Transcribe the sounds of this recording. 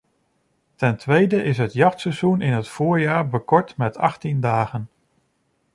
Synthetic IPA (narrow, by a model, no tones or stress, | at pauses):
tɛntʋejdəʔɪsɦətjɑχtsɛzunɪnɦətfʊːɹjaːɹbəkɔɹtmɛtɑ̰χtindaːχən